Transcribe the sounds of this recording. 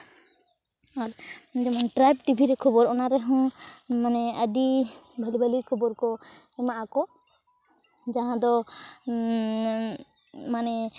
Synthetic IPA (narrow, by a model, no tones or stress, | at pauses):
aɾd͡ʒɛmaŋʈɾajb̚ʈibʱiɾɛkʰɔbɔɾɔnaɾɛɦɔ̃manɛəɖibʱalibʱalikʰɔbɔɾkɔ | ɛmaʔakɔ | d͡ʒaɦãd̪ɔ | manɛ